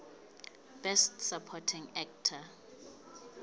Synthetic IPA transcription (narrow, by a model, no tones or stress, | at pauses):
b̥ɛstsapʰɔtʰĩŋɛk̚tʰa